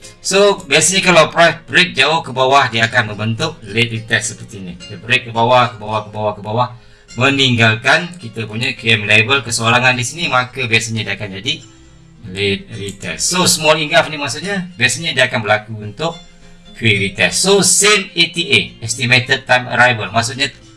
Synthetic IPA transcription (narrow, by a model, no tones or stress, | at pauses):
sobiasaɲakəlapɾajfbɾɪk̚d͡ʒaʊhkəbawahdiaːkanmə̃mbənt̪ʊk̚let̪̚rit̪ɛsəpərt̪iɲəkit̪abɾɪk̚kəbawahkəbawahkəbawahkəbawah | mə̃niŋɡalkankit̪apuɲakiɛmlebəlkəsoaɾaŋandisinimakəbiasaɲãdiakand͡ʒadi | let̪̚rit̪ɛ̰ssːosəmɔliŋɡafnimasuʔɲabiasaɲadiaakanbəlakuunt̪ʊk̚ | kwiɾit̪ɛsːosemet̪iʔeɛst̪imet̪əd̪̚t̪ajmə̰ɾajbəlmasuʔ̚ɲa